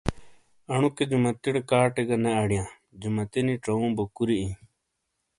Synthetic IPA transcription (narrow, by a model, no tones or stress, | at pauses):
ɐɳuked͡ʑumɐt̪iɽkaːʈeɡɐneɐɽjãː | d͡ʑumɐt̪inĩʈ͡ʂɐũːbokuɾiĩː